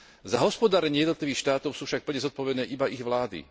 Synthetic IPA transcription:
zaɦɔspɔd̪aːɾɛɲɪɛjɛd̪nɔt̪liʋiːxʃt̪aːt̪ɔʊsuːfʃak̚pl̩ɲɛzɔt̪̚pɔʋɛd̪nɛːʔibaiɣʋlaːd̪ḭ

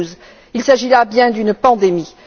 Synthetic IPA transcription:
z | ilsaʒilabjɛ̃d̪ynpɑ̃d̪emi

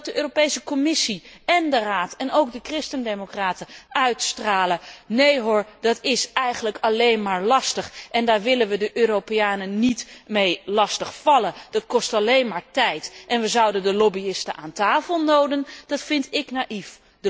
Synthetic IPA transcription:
dəʔøːropejsəkɔmɪsiɛndəraːtɛnowkdəkrɪstəndejmokraːtəʔœɥtstraːlənejɦɔɹd̥ɑtɪsɛjχənləkɑlejnmaːɹlɑstəχʔɛndaːɹʋɪlənʋədəʔøːropeaːnənitmejlɑstəχfɑləd̥ɑtkɔstɑlejnmaːɹtɛjtʔɛnʋəzɑwdəndəlɔbiɪstəʔaːntaːfəlˠnowdənd̥ɑtfɪntɪknaʔif | də

